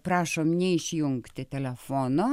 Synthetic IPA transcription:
pɾɑːʃoːmnʲɛɪʃʲjʊŋkt̪ʲɪt̪ʲɛlʲɛfoːnoː

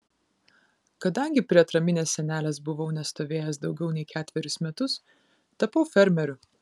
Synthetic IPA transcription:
kɐd̪ɐŋʲɡʲɪpʲɾʲiɛt̪ɾɐmʲɪnʲeːsʲsʲɛnʲæːlʲɛːsbʊʋɐʊnʲɛst̪oːʋʲeːjɛsd̪ɒʊɡʲɛʊnʲɛɪkʲæːt̪ʲʋʲɛɾʲʊsmʲɛt̪ʊs | t̪ɐpɐʊfʲɛɾʲmʲɛɾʲʊ

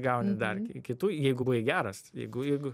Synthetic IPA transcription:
ɡɐʊnʲɪd̪ɐrʲkʲɪt̪uːjɛɪɡʊbʊʋʲeɡʲæːɾɐsjɛ̰ɪɡʊjɛɪɡʊ

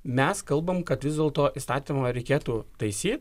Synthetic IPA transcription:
mʲɛskɐlˠbɐmkɐt̪ʋʲɪzd̪ʲeːlˠt̪oːʔist̪ɑːt̪ʲɪmɐɾʲɛɪkʲeːt̪uːt̪ɐɪsʲiːt̪ʲ

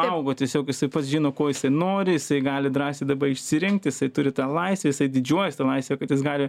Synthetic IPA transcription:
ɐʊɡoːt̪ʲɛsʲoːkjɪsɐɪpɐt̪sʒʲiːnoːkoːjɪsɐɪnoːɾʲɪjɪsɐɪɡɑːlʲɪd̪ɾɑːsʲt̪ʲɪd̪ɐbɐɪʃʲsʲɪɾʲɪŋkt̪ʲjɪsɐɪt̪ʊɾʲɪt̪ɑːlˠɐɪsʲʋʲeːjɪsɐɪd̪ʲɪd͡ʒʲuɔjɛsʲt̪ɐlˠɐɪsʲʋʲekɐt̪jɪsɡɑːlʲɪ

